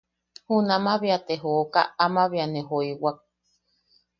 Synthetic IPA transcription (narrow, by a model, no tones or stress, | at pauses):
hunãmãβiat̪eɦoːka̰amãβianẽɦoiwak̚